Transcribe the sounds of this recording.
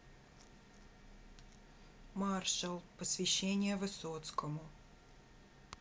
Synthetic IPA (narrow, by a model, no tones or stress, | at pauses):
marʃəlˠpəsvʲɪɕːenʲɪjəvɨsot̪skəmʊ